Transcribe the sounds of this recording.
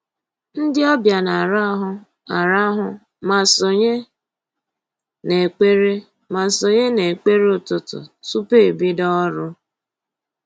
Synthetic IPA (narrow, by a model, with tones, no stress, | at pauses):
n̩˦dɪ˦ɔ˦bja˨na˨ɾa˦ɦʊ˦ | a˨ɾa˦ɦʊ˦ | ma˨so˨ɲe˦ | ne˨k͡pe˦ɾe˦ | ma˨so˨ɲe˦ne˨k͡pe˦ɾeʊ˦tʊ˨tʊ̰˨su˦pe˦˨bi˦dɔ˦ɾʊ˦